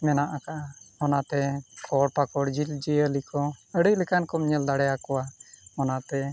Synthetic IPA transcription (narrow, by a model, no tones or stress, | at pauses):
mɛnaʔakaʔaɔnat̪ɛkʰɔɽpakɔɽd͡ʒild͡ʒiəlikɔəɽəjlɛkankɔmɲɛld̪aɽɛjakɔwaɔnat̪ɛ